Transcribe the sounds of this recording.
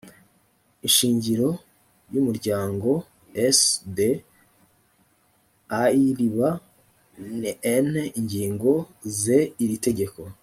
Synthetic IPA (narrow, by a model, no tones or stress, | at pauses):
inʃiːɲɟiɾo̞ | jumuɾɟaːŋɡo̞ | esde | aiɾiβa | neniɲɟiːŋɡo̞ze̞iɾite̞ɟe̞ko̞